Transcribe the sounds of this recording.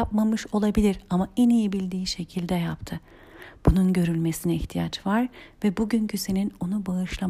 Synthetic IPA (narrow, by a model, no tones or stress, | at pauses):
apmamɯʃo̞lˠabilʲiɾamaɛnijibilʲd̪iːʃe̞cʰilʲd̪ɛjapt̪ʰɯ | b̥ununɟø̞ɾylʲmesinɛiçt̪ʰijat͡ʃvaɾvɛbuɟyncʰyse̞nino̞nubaɯʃlˠa